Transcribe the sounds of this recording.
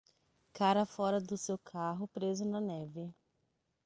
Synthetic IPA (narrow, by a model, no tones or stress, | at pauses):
kaɾɐfɔɾɐd̪ʊsewkʰaɦʊpɾezʊnɐnɛvɪ